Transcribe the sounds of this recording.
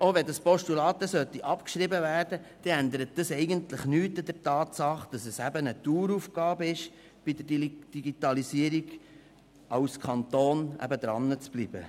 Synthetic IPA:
oʋɛd̪ɑspɔʃtulɑːt̪əsœt̪iʔɑpkʃɾɪbəvæːrdəd̥ɛænd̪əɾət̚d̥ɑsɛɪɡənt̪lɪχnyːtɑd̥ərtɑːt̪sɑχd̥ɑsɛsæbənət̪uːɾufɡ̥ɑːbɪʃ | b̥id̪ədd̥iɡit̪ɑlisiəɾiɡ | ɑʊskʰɑnt̪oːnæ̰bəd̪ɾɑ̰nːət͡sb̥lib̥ə

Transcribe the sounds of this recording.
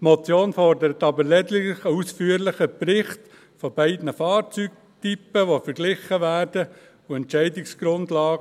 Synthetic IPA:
tmɔt͡sjoːnfɔɾdəɾət̪ɑbəɾlɛdlɪχəusfyːəɾlɪχəpɾɪχt | fɔbɛɪdnəfɑːɾt͡syːɡ̚ | typːəʋofəɾɡ̥lɪχəʋæːɾd̥ə | uɛntʃɛɪdɪksɡ̥ɾʊndlɑːɡ

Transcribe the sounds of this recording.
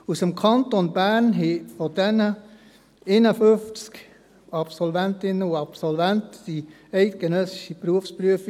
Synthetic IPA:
usəmkʰɑntonbæɾnɦefodɛnə | enəføft͡sk | ɑpsɔlvɛntɪnəuɑpsɔlvæntd̥i | ɛɪtɡ̥ənœsɪ̥ʃipɾuəfspryəf

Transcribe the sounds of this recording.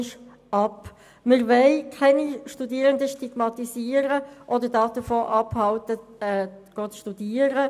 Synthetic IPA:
ʃ | ɑp | məɾʋɛɪkʰɛniʃtudiəɾəndəʃtiɡ̥mɑt̪isiːəɾəʔɔdədɑːd̥əfoːʔɑphɑltəɛːɡ̥oːtʃtudiːəɾə

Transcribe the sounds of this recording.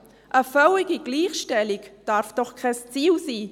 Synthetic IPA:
ʔəfœwɪɡiɡ̥liːχʃtɛlɪkd̥aɾfd̥ɔχkʰast͡siːlsiː

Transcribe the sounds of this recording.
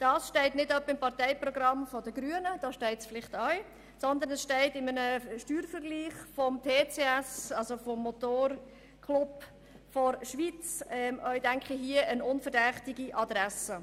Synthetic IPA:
d̥ɑːsʃtɛɪtnɪdœpːəɪmpɑʁtɛɪprɔɡɾɑmfɔdəɡɾyənəd̥ɑːʃtɛɪtsfɪlɪχtɑj | sɔnd̪ənɛsʃtɛɪtɪmənəʃtyːɾfəɾɡliːχfɔmtʰeːt͡seːɛsɑlzofɔmːɔt̪oːɾ | kʰlub | fɔɾʃʋit͡sɛmʔœʏdæŋkχiɦiəʔənʊnfədɛχtiɡiʔɑd̪ɾɛsə

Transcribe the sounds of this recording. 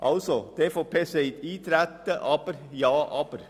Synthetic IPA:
ʔɑ̰lsɔd̪̥efɔpʰeːseit̪iːt̪ʰɾæt̪ːəʔɑpəɾjɑːʔɑpəɾ

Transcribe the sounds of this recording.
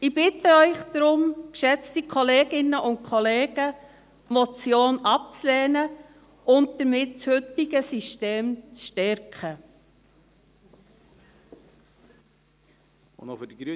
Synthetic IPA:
ɪbɪtəœʏχd̥ɾʊmkʃɛt͡stikʰɔleːɡɪnːəʔʊnt̚kʰɔleːɡə | mɔt͡sjoːnɑp̚t͡sleːnə | ʊnt̚d̥əɾmɪt̚shʏtɪɡəsiʃteːmt͡sʃtɛɾkχə | nɔfdəɡɾy

